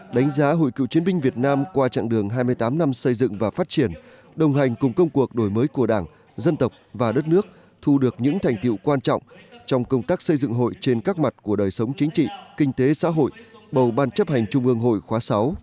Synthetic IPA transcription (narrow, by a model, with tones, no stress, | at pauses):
ɗa˨˦ŋ̟zaː˨˦ɦo̰˧˨jkḭ˧˨wt͡ɕi˨˦ənmï˧ŋ̟vi˨˩ət̚naː˧mkwaː˧t͡ɕa̰ː˧˨ŋɗɨ˨˩əŋɦaː˧jm˧əjt̪aː˨˦mna˧msə˧jzɨ̰˧˨ŋvaː˨˩faː˦˥t̚t͡ɕi˧˩ən | ɗə˨˩wŋ͡mɦa˨˩jŋ̟kʊ˨˩ŋ͡mkə˧wŋ͡mku˨˩ək̚ɗo˧˩jməː˨˦jku˧˩əɗaː˧˩ŋ | zə˧nt̪ə˨˩wk͡p̚vaː˨˩ɗə˦˥t̚nɨ˦˥ək̚ | t̪ʰu˧ɗɨ˨˩ək̚ɲɨ̰˧˥ŋt̪ʰa˨˩jŋ̟t̪ḭ˧˨wkwaː˧nt͡ɕɔ̰˧˨wŋ͡mt͡ɕɔ˧wŋ͡mkə˧wŋ͡mt̪aː˦˥k̚sə˧jzɨ̰˧˨ŋɦo̰˧˨jt͡ɕe˧nkaː˦˥k̚ma˨˩t̚ku˧˩əɗəː˨˩jsə˨˦wŋ͡mt͡ɕï˨˦ŋ̟t͡ɕḭ˧˨kï˧ŋ̟t̪e˨˦sa̰ː˧˥ɦo̰˧˨jɓə˨˩wɓaː˧nt͡ɕə˦˥p̚ha˨˩jŋ̟t͡ɕʊ˧ŋ͡mʔɨ˧əŋɦo̰˧˨jxwaː˨˦sa˨˦w